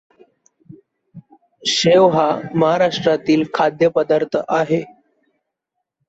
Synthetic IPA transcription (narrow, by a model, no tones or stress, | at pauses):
ɕeʋɦaməɦaɾaʂʈɾat̪iːlkʰad̪jəpəd̪aɾt̪ʰəʔaɦe